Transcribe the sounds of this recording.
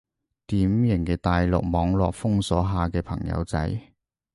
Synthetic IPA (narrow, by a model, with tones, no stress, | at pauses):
t̪iː˨˥mjɪ˨˩ŋkɛː˧t̪aː˨jlʊ̰˨k̚mɔː˨˧ŋlɔ̰ː˨k̚fʊ˥ŋsɔ̰ː˨˥ɦaː˨kɛː˧pʰɐ̰˨˩ŋjɐ̰˨˧wt͡sɐ̰˨˥j